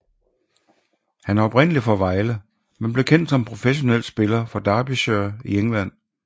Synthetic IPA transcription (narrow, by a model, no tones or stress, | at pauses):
hænæɐɒ̽b̥ʁen̰əlifɒʋɑ̈ɪlə | menb̥le̝kʰen̰d̥sɒ̽mpʰʁo̝feɕo̝nel̰̥sb̥e̝lɐfɒ̽d̥ɑ̈ːb̥iɕøɐieŋlæn̰